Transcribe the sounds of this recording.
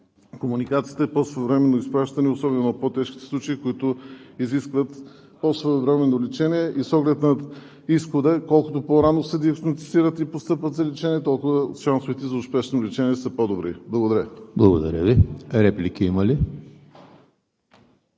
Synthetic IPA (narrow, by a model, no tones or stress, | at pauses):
komunikat̪siːt̪ɛpɔsvɛvɾɛmɛnoispɾaʃt̪ɐniosɔbɛnʊnɐpot̪ɛʃkʲit̪ɛ̥slˠut͡ʃeikoit̪ʊiziskvət̪ | pɔsvɛovɾɛmɛnolɛt͡ʃɛniɛʔisɔɡlɛt̪nɐ | isxod̪əkɔlˠkʊt̪opɔɾanosɛd̪iɐkt̪omɐt̪iziɾət̪ipost̪ɤpvət̪zɐlɛt͡ʃɛniɛt̪ɔlˠkʊvəʃansoʊvit̪ɛzɐʊspɛʃnolɛt͡ʃɛniɛsəpɔd̪obɾḭblˠɐɡod̪ɐɾʲjəblˠɐɡod̪ɐ̰ɾʲəviɾɛplikiiməli